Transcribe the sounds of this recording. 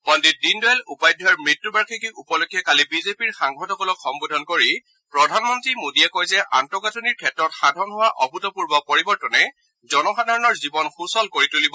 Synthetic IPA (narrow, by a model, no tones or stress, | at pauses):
ɔndit̚dindɔɛlupajdʱɔaɹmɹitːubaɹkʰikiʔupɔlokʰijakalibizepiɹxaŋɡʰɔtɔkɔlɔkʰxɔmbudʱɔnkoɹi | pɹɔdʱanmɔntɹimodijɛkojzɛʔantɔɡatuniɹkʰɛtɹɔtxadʱɔnɦʊwaʔɔbʱutɔpuɹbɔpɔɹibɔɹtɔnɛ | zɔnɔxadʱaɹɔnɔɹzibɔnxusɔlkoɹitulibɔ